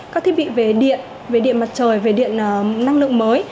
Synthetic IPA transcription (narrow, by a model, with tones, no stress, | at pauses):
aː˦˥t̪ʰi˦˥ɓḭ˧˨ve˨˩ɗḭ˧˨ən | ve˨˩ɗḭ˧˨ənma˨˩t̚t͡ɕəː˨˩jve˨˩ɗḭ˧˨ənː˨˩na˧ŋlɨ̰˧˨əŋməː˨˦j